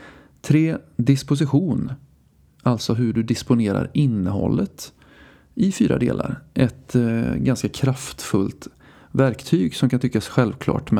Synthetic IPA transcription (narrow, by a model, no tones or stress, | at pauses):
t̪ʰɾeːd̪ɪspʊs̬ɪɧuːn | alt̪sɔɦɵɖɵd̪ɪspʊneːɾa̰ɾɪnːəɦɔ̰lːət̪ | ɪfyːɾa̰d̪ḛːlʔa̰ɾʔɛt̪ɡanskakʰɾaft̪fɵlt̪ | væɾkt̪ʰyːɡsɔmkant̪ʏkːasɧɛlvkʰlɑ̰ːʈm